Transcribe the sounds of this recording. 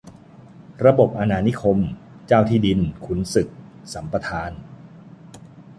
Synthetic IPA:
ɾa˧bo˨˩p̚ʔa˧naː˧ni˦˥kʰo˧mt͡ɕaː˥˩wt̪ʰiː˥˩di˧nkʰu˧˥nsɯ˨˩k̚sa˩˦mpa˧t̪ʰaː˧n

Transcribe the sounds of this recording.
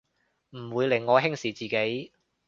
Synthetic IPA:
m̩˨˩wuː˨˧jlɪ˨˩ŋːɔː˨˧ɦɪ˥ŋsiː˨˩t͡siː˨˩ke˨˥j

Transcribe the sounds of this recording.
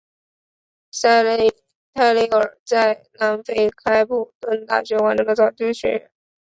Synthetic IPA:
t̪ʰa˥˩ɪle˥ɪə˞˨˩t͡sa˥˩ɪna˧˥nfe˥ɪkʰa˥ɪpu˥˩kə˥nt̪a̰˥˩ɕɥɛ˧˥wa˧˥nʈ͡ʂɤ˧˥ŋd̪ə˧˩t͡sɑ˥˨˩ʊʈ͡ʂu˥ŋɕɥɛ̰˧˥ɻə̰˧˥n

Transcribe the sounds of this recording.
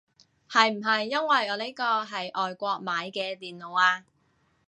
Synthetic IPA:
hɐ˨jm̩˨˩ɦɐ˨jːɐ˥nwɐ˨jɔː˨˧le˨˥jkɔː˧ɦɐ˨jʔɔː˨jkʷɔː˧k̚maː˨˧jkɛː˧t̪iː˨nlo˨waː˧

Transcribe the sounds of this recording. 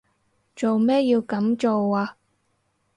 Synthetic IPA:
t͡ʃo˨wmɛː˥ji˧wkɐ˨˥mt͡ʃo˨waː˧

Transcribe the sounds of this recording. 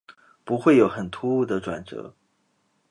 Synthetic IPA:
pu˧˥xwe˥˩ɪjo˨˥ʊxə˨˩nt̪ʰu˥u˥˩d̪ə˨˩ʈ͡ʂwa̰˨˩nt͡sɤ̰˧˥

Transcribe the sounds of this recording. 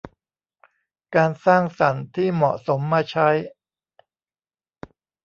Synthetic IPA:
kaː˧nsaː˥˩ŋsa˩˦nt̪ʰiː˥˩mɔ̰˨˩ʔso˩˦mːaː˧t͡ɕʰa˦˥j

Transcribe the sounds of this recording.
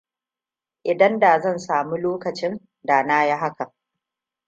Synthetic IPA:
ʔɪ˨dɐ˦nda˨zɐ˦˨nsaː˨mu˦loː˦kɐ˨t͡ʃɪ˦n | da˨naː˦ja˦ɦa˦kɐ˨

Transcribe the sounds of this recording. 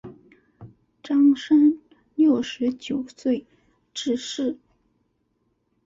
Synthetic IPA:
ʈ͡ʂɑ˥ŋʂə˥n | ljo˥˩ʊʂɻ̩˧˥t͡ɕjo˨˩ʊswe˥˧ɪ | ʈ͡ʂɻ̩˥˧ʂɻ̩˥˩

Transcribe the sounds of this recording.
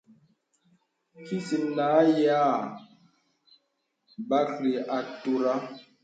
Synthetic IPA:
ki˦si˨mnaː˨˦jaː˦˨ | ba˦kli˨ʔa˨to˦ɾa˦

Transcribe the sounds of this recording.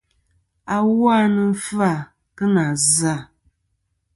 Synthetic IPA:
a˦wa˦nɨ˦fa˦˨ | kɨ˦na˨za˦˨

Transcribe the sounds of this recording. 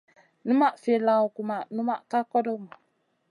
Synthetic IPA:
nu˦ma˦˨ʔfe˨la˨wku˨ma˨nu˦ma˦ʔka˦kɔ˦do˦ma˨

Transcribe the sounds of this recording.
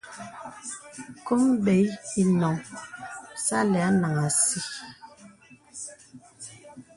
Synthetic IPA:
ko˦mbe˨ji˨nɔ˨ŋ | sa˦lɛ˨a˦na˨ŋa˨si˦

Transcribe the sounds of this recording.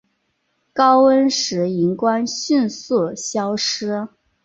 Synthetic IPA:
kɑ˥ʊwə˥nʂɻ̩˧˥i˧˥ŋkwa˥nɕy˥˧nswɔ˥˩ɕjɑ˥ʊʂɻ̩˥

